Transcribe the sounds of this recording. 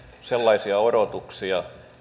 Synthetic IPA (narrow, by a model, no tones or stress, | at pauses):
selːɑisiɑoɾot̪uksiɑ